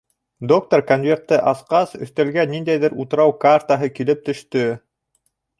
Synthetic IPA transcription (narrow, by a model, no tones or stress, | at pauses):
d̪o̞k̚t̪orkonvʲe̞rt̪ːɘʔɑθqɑsɵ̰̆θt̪ælɡænːind̪æjðɘɾut̪ɤ̆ɾɑwkart̪aɦɤkilɘp̚t̪ɵ̆ʃt̪ɵ